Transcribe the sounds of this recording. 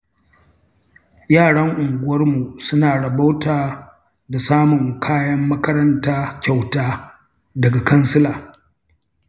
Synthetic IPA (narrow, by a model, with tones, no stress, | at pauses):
jaː˦˨ɽɐ˦ŋʔʊ˨ŋɡʷʊ˦wɐ˦rmu˨sʊ˦naː˨ɽɐ˨ba˦wtaː˨ | da˨saː˦mʊ˨ŋkʰaː˦jɐ˦mːɐ˦kɐ˦ɾɐ˦ntaː˦kʲa˨wtaː˦ | dɐ˨ɡa˨kɐ˦nsɪ˦laː˨